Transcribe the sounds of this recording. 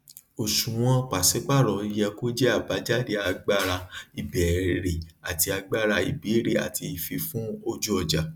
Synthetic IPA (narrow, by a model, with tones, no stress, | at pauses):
o˨ʃũ˨w̃ɔ̃˦k͡pa˨sɛ˨˦k͡pa˦˨ɾɔ˨˧i˧jɛ˧ko˦d͡ʒɛ˦a˦˨ba˨˦d͡ʒa˦˨de˧˦a˧ɡ͡ba˦ɾa˧i˨bɛ˨ɾe˨a˨ti˧a˧ɡ͡ba˦ɾa˧i˨bi˨˦˨ɾe˨a̰˨tʰi˧i˨fi˧fũ˦o˦d͡ʒu˦ɔ˨d͡ʒa˨